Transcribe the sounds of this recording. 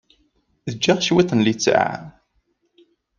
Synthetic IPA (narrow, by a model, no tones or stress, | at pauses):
ðəd͡ʒːaʁʃwiθənlit͡sːʕa̰